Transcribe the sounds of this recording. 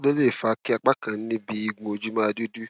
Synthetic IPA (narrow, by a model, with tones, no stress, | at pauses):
lo˦le˦˨fa˨˦ki˦a˧k͡pa˦kã˨n̩˦nĩ˦bi˧i˧ɡũ˧o˧d͡ʒu˦mã˦˧˨du˦du˦